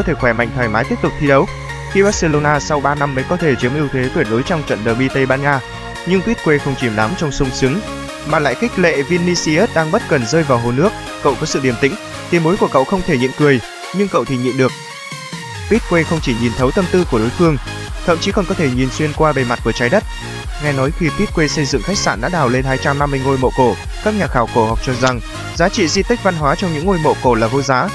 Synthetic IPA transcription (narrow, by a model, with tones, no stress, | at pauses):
ɔ˨˦t̪ʰe˧˩xwɛ˧˩ma̰˧˨ŋ̟t̪ʰwaː˧˩jmaː˨˦jt̪i˦˥p̚t̪k͡p̚t̪ʰi˧ɗə˨˦w | xi˧ɓaː˦˥t̚se˧lo˧naː˧sa˧wɓaː˧na˧mːəː˨˦jkɔ˨˦t̪ʰe˧˩t͡ɕi˨˦əmʔi˧əwt̪ʰe˨˦t̪wi˧˩ɗo˨˦jt͡ɕɔ˧wŋ͡mt͡ɕə̰˧˨nɗəː˨˩ɓi˧t̪ə˧jɓaː˧nŋaː˧ | ɲɨ˧ŋpi˦˥t̚kwe˧xə˧wŋ͡mt͡ɕi˧˩əmɗa˨˦mt͡ɕɔ˧wŋ͡msʊ˧wŋ͡msɨ˨˦ŋ | maː˨˩la̰ː˧˨jxi˦˥k̟̚lḛ˧˨vi˧nːi˧si˧ʔe˦˥t̚ɗaː˧ŋɓə˦˥t̚kə˨˩nzəː˧jvaː˨˩wɦo˨˩nɨ˦˥ək̚ːə̰˧˨wkɔ˨˦sɨ̰˧˨ɗi˧˩əmt̪ï˧˥ŋ̟ | t̪i˨˦əmɓo˨˦jku˧˩əkə̰˧˨wxə˧wŋ͡mt̪ʰe˧˩ɲḭ˧˨nkɨ˨˩əj | ɲɨ˧ŋkə̰˧˨wt̪ʰi˨˩ɲḭ˧˨nɗɨ˨˩ək̚ | pi˦˥t̚kwe˧xə˧wŋ͡mt͡ɕi˧˩ɲi˨˩nt̪ʰə˨˦wt̪ə˧mt̪ɨ˧ku˧˩əɗo˨˦jfɨ˧əŋ | t̪ʰə̰˧˨mt͡ɕi˨˦kɔ˨˩nkɔ˨˦t̪ʰe˧˩ɲi˨˩nswi˧ənkwaː˧ɓe˧˩ma˨˩t̚ku˧˩t͡ɕaː˨˦jɗə˦˥t̚ | ŋa˧jnɔ˨˦jxi˧pi˦˥t̚kwe˧sə˧jzɨ̰˧˨ŋxa˦˥jk̚sa̰ː˧˩nɗa̰ː˧˥ɗaː˨˩wle˧nhaː˧jt͡ɕa˧mna˧mːɨ˧əjŋo˧jmo̰˧˨ko˧˩ | kaː˦˥k̚ɲaː˨˩xaː˧˩wko˧˩hɔ˨˩k͡p̚t͡ɕɔ˧za˨˩ŋ | zaː˨˦t͡ɕḭ˧˨zi˧t̪ï˦˥k̟̚va˧nɦwaː˨˦t͡ɕɔ˧wŋ͡mɲɨ̰˧˥ŋo˧jmo̰˧˨ko˧˩laː˨˩vo˧zaː˨˦